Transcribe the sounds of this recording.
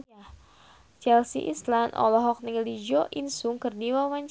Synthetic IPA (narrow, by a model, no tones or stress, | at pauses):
t͡ʃɛlsḭʔḭslandɔ̰lɔɦɔk̚nilid͡ʒɔʔinsuŋkɨrdiwawaɲt͡ʃ